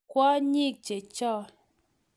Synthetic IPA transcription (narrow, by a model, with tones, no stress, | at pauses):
kwɔ˦ɲi˦˨k̚t͡ʃe˨t͡ʃɔ˦˨